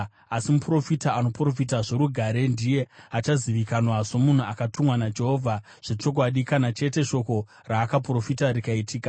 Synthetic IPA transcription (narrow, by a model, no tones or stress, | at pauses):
asimupro̞fitaano̞pro̞fitaʐe̞ɾuɡʱaɾe̞ndije̞at͡ʃaziʋikanwaʐo̞mun̤uakatumwanad͡ʒe̞ɦo̞vʱa | ʐ̥e̞t͡ʃo̞k̬waɗikanat͡ʃe̞te̞ʃo̞ko̞ | raːkapro̞fitaɾikaitiːka